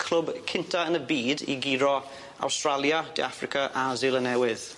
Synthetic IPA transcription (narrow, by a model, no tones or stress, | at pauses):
kʰl̥ˠʊbkʰɪntʰaənəbiːdḭɡiɾɔ | a̰wstɹalˠjad̥ɪ̰afrɪkʰaʔazɪlˠənɛwɪð̥